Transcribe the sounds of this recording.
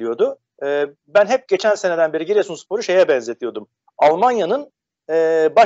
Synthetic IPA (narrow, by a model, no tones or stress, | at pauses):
lijo̞d̪ʊː | bænɦɛp̚ɟe̞t͡ʃʰænse̞ned̪ænbeɾiɟiɾesunspʰo̞ɾuʃe̞jɛbɛnze̞t̪ʰijo̞d̪um | alˠmanjanɯn | ɛːba